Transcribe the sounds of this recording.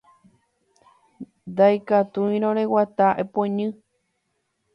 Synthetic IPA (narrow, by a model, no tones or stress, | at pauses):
nd̪ajkat̪uĩɾõɾewat̪aʔepoeɲɨ̃